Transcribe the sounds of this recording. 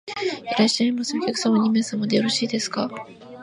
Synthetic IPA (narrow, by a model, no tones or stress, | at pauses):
iɾaɕaimoseŋkʲakɯ̟samaɲ̟ʲimẽsamod̪ejoɾo̞ɕiːd̪e̞sɨ̥ka